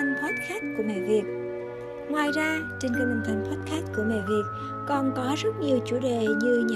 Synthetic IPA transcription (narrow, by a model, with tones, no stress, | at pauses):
ŋ̟t̪ʰaː˦˥t̚xaː˦˥t̚ku˧˩əmḛ˧˨vi˨˩ət̚ | ŋwaː˨˩jzaː˧t͡ɕi˧nkə˧˩mə˨˩t̪ʰa˨˧˩jŋ̟t̪waː˦˥t̚xaː˦˥t̚ku˧˩əmḛ˧˨vi˨˩ət̚ | kɔ˨˩nkɔ˨˦zə˦˥t̚ɲi˨˩əwt͡ɕṵ˧˩ɗḛ˧˨ɲɨ˧ɲa̰˧